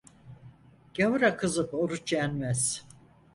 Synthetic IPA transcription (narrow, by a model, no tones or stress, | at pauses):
ɟ̥avuɾakʰɯzɯpo̞ɾut͡ʃʰjænmæz̥